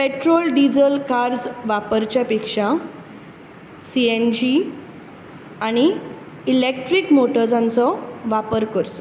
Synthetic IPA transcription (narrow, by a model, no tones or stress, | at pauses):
peʈɾolɖid͡zəlkaɾd͡zʋapəɾt͡ɕjapekʂã | siend͡ʑi | aɽ̃iː | lek̚ʈɾikmoʈəɾd͡zãnt͡sɔʋapəɾkəɾsɔ̥